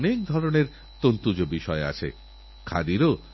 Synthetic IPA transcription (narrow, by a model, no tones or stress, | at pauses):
nek̚d̪ʱɔɾoneɾ | t̪ont̪ud͡ʑobiʃɔea̰t͡ɕʰḛ | kʰa̰d̪iɾo